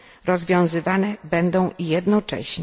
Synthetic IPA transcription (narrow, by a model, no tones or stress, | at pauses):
ɾɔzvʲjɔ̃w̃zɘvanɛbɛnd̪ɔ̃w̃ijɛd̪nɔt͡ʂɛ̰ɕɲ